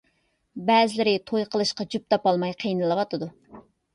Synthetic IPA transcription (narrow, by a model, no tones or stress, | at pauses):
bɛːzɪlɪɾɪt̪ʰojqʰəlˠɨʃqɑd͡ʒyp̚t̪ʰɑpɑlˠmɑjqʰəjnɨlˠɨwɑt̪ʰɨd̪u